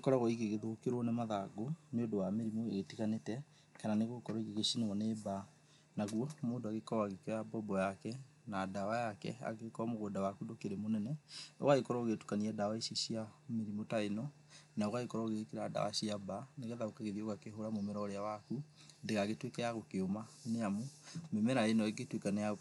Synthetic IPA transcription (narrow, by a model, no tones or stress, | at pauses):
ekɔɾaɣɔiɣeɣeðokeɾonemaðaɡoneodowameɾimoeɣetiɣanetɛ | kananeɣokɔɾɔiɣeɣesineɣɔneːba | naɣwɔmoːndoaɣekɔaɣekɔjabɔbɔjakɛ | naːdawajakɛ̰a̰ɣekɔamoɣoːdawakudokeɾemonɛnɛo̰ɣaikɔɾɔoɣetu̥kaniadawaiʃeʃiameɾimotaenɔ | naoɣaikɔɾɔoɣeɣkeɾada̰wa̰siabaneɣɛðaokaɣeðioɣakeɦoɾamomɛɾɔːɾeawaku | deɣaɣetwekɛjaɣokeomaneamomemɛɾaenɔeɡetwekanɛa